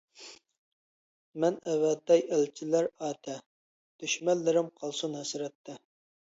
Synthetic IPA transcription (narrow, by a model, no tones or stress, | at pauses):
mɛnɛwɛt̪ːɛjælt͡ʃʰilæɾɑːt̪ʰɛ | d̪̥yʃmɛlːɪɾɪmqʰɑlˠsunɦɛsɾɛt̪ʰːɛ